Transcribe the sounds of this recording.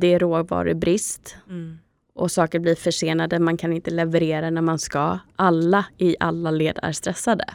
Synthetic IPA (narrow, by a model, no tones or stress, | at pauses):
d̪ɛːɾoːɡvɑ̰ːɾɪ̰bɾɪst̪ | ʔɔsɑːkəɾbliɾfœʂeːnad̪əmankʰanɪnt̪əlɛvəɾeːɾanæɾmanskɑʔalːaɪʔalːaleːd̪æ̰ɾst̪ɾɛsːad̪ə̰